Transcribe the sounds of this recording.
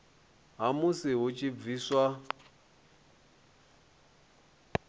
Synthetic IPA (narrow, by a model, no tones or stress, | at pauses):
ɦamusiɦut͡ʃʼʰib̪viːswa